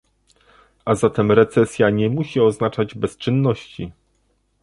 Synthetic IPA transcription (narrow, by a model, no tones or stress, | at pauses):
azat̪ɛmɾɛt̪sɛsʲjaɲɛmuɕiɔznat͡ʂad͡ʑbɛst͡ʂɘnːɔɕt͡ɕi